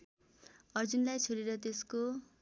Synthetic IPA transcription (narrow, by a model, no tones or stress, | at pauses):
ʌrd͡zunlajt͡sʰoɾeɾʌt̪̬esko